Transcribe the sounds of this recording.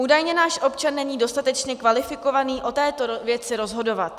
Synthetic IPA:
ʔuːdajɲɛnaːʃʔo̞pt͡ʃanːɛɲiːdo̞st̪at̪ɛt͡ʃɲɛkvalɪfɪko̞vaniːʔo̞t̪ɛːt̪ovjɛt͡sɪɾo̞zɦo̞do̞vat̪̚

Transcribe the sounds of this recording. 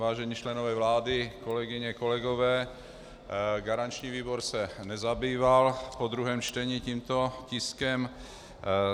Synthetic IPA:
vaːʒɛɲiːt͡ʃlɛnovɛːvlaːdɪko̞lɛɡɪɲɛko̞lɛɡovɛː | ɡaɾant͡ʃɲiːviːboɾsɛnɛzabiːvalpod̪ɾuɦɛːmt͡ʃt̪ɛɲiciːmt̪o̞cɪskɛm

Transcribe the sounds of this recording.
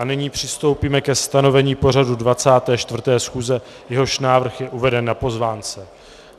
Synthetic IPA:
anɪɲiːpr̝̥ɪst̪o̞wpiːmɛkɛst̪ano̞vɛɲiːpo̞r̝adudvat͡saːt̪ɛːʃt̪vr̩t̪ɛːsxuːzɛ | jɛɦo̞ʃnaːvr̩xjɛʔuvɛdɛnːapo̞zvaːnt͡sɛ

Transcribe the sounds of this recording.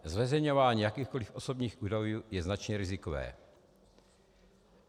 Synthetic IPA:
zvɛzɛjɲovaːɲiːjakiːxkolifʔosobɲiːxʔuːdajuːjɛznat͡ʃɲɛɾɪzɪkovɛ̰ː

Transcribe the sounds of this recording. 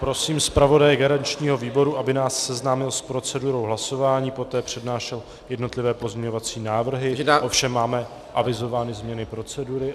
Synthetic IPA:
pɾo̞siːmspɾavo̞dajɛɡaɾaɲt͡ʃɲiːɦo̞viːbo̞ɾuʔabɪnaːsːɛznaːmɪlspɾo̞t͡sɛduɾo̞wɦlaso̞vaːɲiːpo̞t̪ɛːpr̝̥ɛdnaːʃɛl | jɛdno̞t̪lɪvɛːpo̞zmɲɛɲo̞vat͡siːnaːvr̩ɦɪʔo̞fʃɛmːaːmɛ | ʔavɪzo̞vaːnɪzmɲɛnɪpɾo̞t͡sɛduɾɪ

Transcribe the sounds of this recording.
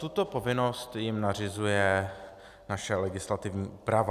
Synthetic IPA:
t̪ut̪o̞po̞vɪno̞st̪jɪmnar̝ɪzujɛ | naʃɛlɛɡɪslat̪ɪvɲiːʔuːpɾava

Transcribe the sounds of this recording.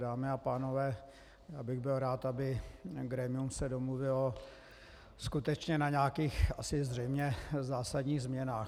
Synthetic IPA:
daːmɪapaːnovɛː | jaːbɪɣbɪlɾaːt̪abɪɡɾɛmɪumsɛdomluvɪl | skut̪ɛt͡ʃɲɛnaɲaːkiːxasɪzrɛjmɲɛzaːsadɲiːɣzmɲɛnaːx

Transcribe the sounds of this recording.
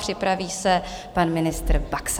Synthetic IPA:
r̝̥ɪpɾaviːsɛ | panmɪnɪst̪ɾbaks

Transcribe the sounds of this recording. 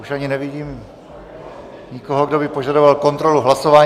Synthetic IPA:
uʃʔaɲɪnɛvɪɟiːm | ɲɪkoɦoɡdo̞bɪpo̞ʒadovalko̞nt̪ɾo̞luɦlaso̞vaː

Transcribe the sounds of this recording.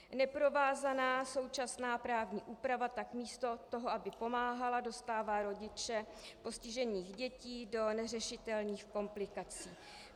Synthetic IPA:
nɛpɾo̞vaːzanaːso̞wt͡ʃasnaːpɾaːvɲiːʔuːpɾavat̪akmiːst̪o̞t̪o̞ɦoabɪpo̞maːɦalado̞st̪aːvaːɾo̞ɟɪt͡ʃɛ | po̞scɪʒɛniːɣɟɛciːdo̞nɛr̝ɛʃɪt̪ɛlɲiːxko̞mplɪkat͡siː

